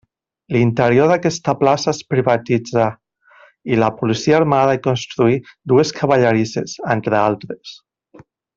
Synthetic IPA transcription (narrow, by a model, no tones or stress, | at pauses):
lint̪eɾjoðakɛst̪aplasaespɾiβat̪id͡za | ilapulisiaɾmaðaikonst̪ɾuid̪ueskʰaβaʎaɾisḛzent̪ɾealˠt̪ɾes